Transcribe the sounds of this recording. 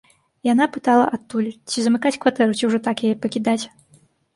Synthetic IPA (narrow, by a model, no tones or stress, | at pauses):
jan̪apɨt̪alˠɐ̰ʔat̪ːulʲt͡sʲizɐmɨkat͡sʲkvat̪ɛɾut͡sʲiwʐɔt̪akjajɛpɐkʲid̪at͡sʲ